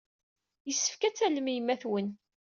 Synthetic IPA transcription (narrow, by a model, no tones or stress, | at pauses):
jəsːə̥fkæt͡sːæləmijəmːæθwən